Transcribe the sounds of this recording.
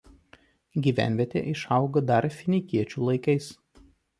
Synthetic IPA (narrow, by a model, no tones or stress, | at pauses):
ɡʲiːʋʲæ̰ˑnʲʋʲiɛt̪ʲḛːʔɪʃɐʊɡɐd̪ɐɾfʲɪnʲɪkʲiɛt͡ʃʲuːlˠɐɪkɐɪs